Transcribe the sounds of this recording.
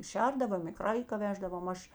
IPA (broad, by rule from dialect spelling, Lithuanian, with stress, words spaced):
ˈʃʲɛrdɐʋoːm ɪ ˈkrɐɪkɐ ˈʋʲæːʒdɐʋoːm ˈɐʃ